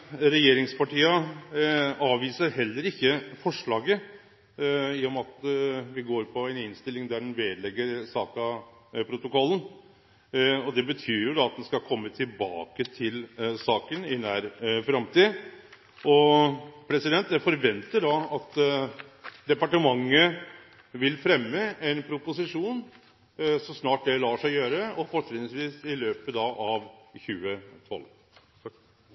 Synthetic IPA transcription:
ɾɛjeːɾɪŋspɑʈiːɑ | ɑːʋiːsəɾɦɛlːəɾɪçːəfɔʂɭɑːɡə | ɪjɔmɑt̪ʋɪɡoːɾpʰɔɛnɪnst̪ɪlɪŋd̪æɖɛnʋeːd̪lɛɡːəɾsɑːkɑ | pʰɾʊt̪ʊkɔlːn̩ | ɔd̪ɛbət̪ʰyːɾjʊd̪ɑɑt̪̚d̪ɛnskɑkʰɔmːət̪ʰɪlbɑːkət̪ʰɪlsɑːkənɪnæːɾfɾɑmt̪iː | ʔɔpʰɾɛsɪd̪ɛnt̪d̪æfɔɾʋɛnt̪əɖɑɑt̪ | d̪ɛpɑʈəmɑŋːə | ʋɪlfɾɛmːəɛnpʰɾʊpʊsɪʂuːn | sɔsnɑːʈ̚d̪ɛlɑːʂæɪjøːɾəɔfɔɛt̪nsʋiːsɪløːpəd̪ɑʔɑʋçʉːət̪ʰɔ̰l

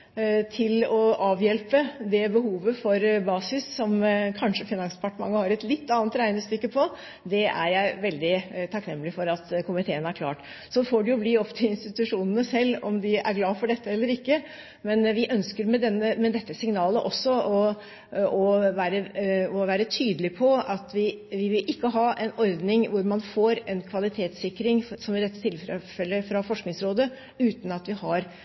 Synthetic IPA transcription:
t̪ʰɪlɔʔɑːʋjɛlpəd̪ɛbəhuːʋəfɔɾbɑːsɪsːɔmkʰɑnʂəfɪnɑnspʰɑʈɳɑ̰ŋːəhɑɾɛt̪lɪt̪ːɑːnt̪ɾæɪnəst̪ʏkːəpʰɔ | d̪ɛæ̰ɾjæɪʋɛld̪ɪt̪ʰɑknɛmːlɪfɔɾɑt̪kʰʊmɪt̪ʰeːənæɾkʰlɑ̰ːʈ | sɔfoːɖɛjʊbliːɔpt̪ʰɪɪnst̪ɪt̪ʉʂuːnənəsɛlːɔ̰md̪ɪʔæ̰ɾɡlɑːfɔɖɛt̪ːəɛlːəɾɪkːə | mɛnʋɪʔœnskəɾmɛd̪ɛnːəmɛd̪ɛt̪ːəsɪŋnɑːləʔɔsːɔɔ | ɔʋæːɾəɔʋæːɾət̪ʰyːd̪əlɪpʰɔɑt̪ʋɪʋɪʋɪlʔɪkːəɦɑːʔɛnɔɾd̪nɪŋʋʊɾmɑnfoːɾɛnkʰʋɑlɪt̪ʰeːt̪sɪkːɾɪŋsɔmɪd̪ɛt̪ːə̥t̪ʰɪlffɛlːəfɾɑfɔʂknɪŋsɾoːd̪ə | ʉːt̪n̩ɑt̪ʋɪhɑɾ

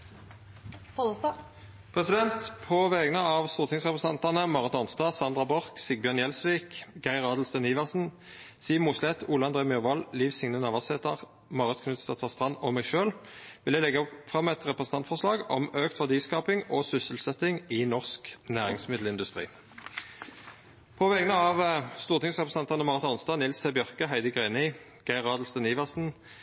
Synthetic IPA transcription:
pʰʁɛsɪd̪ɛnt̪pʰɔʋeːɡnəɑʋst̪uːʁt̪ɪŋsʁɛpʁəɛs̩ɑnt̪ɑnəmɑːʁət̪ɑnst̪ɑːsɑnd̪ʁɑbɔʁksɪɡ̚bjœʁnjɛlsʋiːkɡæɪʁɑːd̪lsd̪ɛniːʋɑʁsn̩ | siːmuːslɛt̪uːlɑnd̪ʁeːmjøʁʋɑlliːʋsɪŋnənɑʋɑseːt̪əʁ | mɑːʁət̪kʰnʉːt̪st̪ɑt̪ʰɑːst̪ʁɑnːɔmɛːɡʃøːlʋɪljæɪlɛɡəfʁɑmːɛt̪ʁɛpʁəsn̩t̪ɑnt̪fɔʁslɑːɡɔmøːkt̪ʰʋɑʁd̪iːskɑːpɪŋɔsʏsəl̩sɛt̪ɪŋɪnɔʁsknæːʁɪŋsmɪd̪lɪnd̪ʉst̪ʁḭː | pʰɔʋɛɡənəɑʋst̪uːʁt̪ʰɪŋsʁɛpʁəsn̩ɑnt̪ɑnəmɑːʁət̪ɑnst̪ɑnɪlst̪ʰɛbjœʁkəɦæɪd̪əɡʁeɪnɪ | ɡ̥æɪʁɑːd̪l̩sd̪əniːʋɑʁsn̩

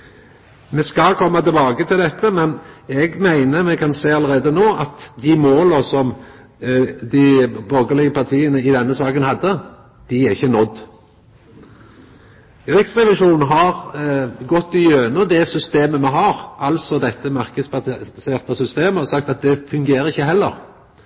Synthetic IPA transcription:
mɛskɑkʰɔmːɑt̪ɪlbɑːɡət̪ʰɪld̪ɛt̪ːəmɛnɛɡmæɪnəmɛkʰɑnseːɑləɾeːd̪ənoːʔɑt̪d̪ɪmoːləsɔm | d̪ɪbɔɾɡəlɪɡəpʰɑʁt̪ʰiːənəɪd̪ɛnːəsɑːkənhɑd̪ːə | d̪̥ɪæɾɪçːənɔd̪ | ɾɪksʁɛʋɪʂuːnn̩ɦɑɾɡɔt̪ːɪjøːnəd̪ɛsʏst̪eːməmɛɦɑːɾʔɑlsɔd̪ɛt̪ːəmɑɾkəsbɑseːʁt̪ɑsʏst̪eːməɔsɑkt̪ɑt̪̚d̪ɛfʉŋɡeːɾəɪçːəɦɛlːə̰ɾ

